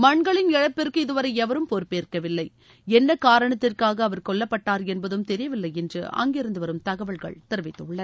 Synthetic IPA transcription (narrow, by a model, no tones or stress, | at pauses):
mɐɳɡɐɭɪnɛɻɐpːɪrkɯɪðɯʋɐɾɐɪɛʋɐɾɯmpɔɾpeːrkɐʋɪlːɐɪ | ɛnːɐkaːɾɐɳɐt̪ːɪrkaːɣɐːʋɐɾkɔɭːɐpːɐʈːaːɾɛnbɐðɯmt̪ɛɾɪjɐʋɪlːɐɪɛndrɯ̰ɐ̰ŋɡeːɾɯnd̪ɯʋɐɾɯmt̪ɐɣɐʋɐɭɣɐ̰ɭt̪ɪɾɯʋɪt̪ːɯʊɭːɐð